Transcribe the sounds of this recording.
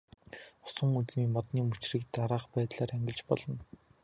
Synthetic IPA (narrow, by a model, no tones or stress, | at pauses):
ɔ̥sɞ̆ŋut͡smiːmɔt̪niːmut͡ɕriːkt̪aɾaːχpæːt̪ɮaːɾæŋɡʲɪ̆ɮt͡ɕpɔɮɞ̆n